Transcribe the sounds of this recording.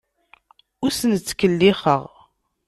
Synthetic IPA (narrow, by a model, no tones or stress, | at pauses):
ʊɾsənt͡sːkəlːɪχə̰ʁ